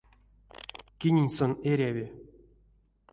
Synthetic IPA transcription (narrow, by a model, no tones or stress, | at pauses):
kʲinʲenʲsoneɾʲavʲe